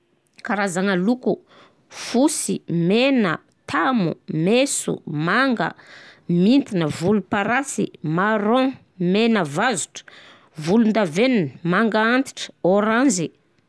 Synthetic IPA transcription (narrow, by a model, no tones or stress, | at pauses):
kaɾazaŋəluku | fusimenə̰ | t̪ʰamṵmesṵmaŋɡə̰mint̪inəvulupaɾasḭmaɾɔ̃ | menəvazu̥ʈ͡ʂə̥ | vulund̪aveninəmaŋɡaant̪i̥ʈ͡ʂə̥oɾãnzi